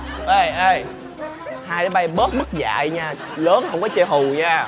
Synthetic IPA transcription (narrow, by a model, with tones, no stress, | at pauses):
ʔə˧˩jʔə˧˩j | haː˧jɗaː˨˦ɓa˧jɓəː˦˥t̚mə˦˥t̚za̰ː˧˨jɲaː˧ | ləː˨˦nhə˧wŋ͡mkɔ˨˦t͡ɕe˧ɦu˨˩ɲaː˧